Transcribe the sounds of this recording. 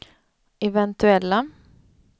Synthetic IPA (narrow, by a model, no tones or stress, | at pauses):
ɛvɛnt̪ɵɛlːa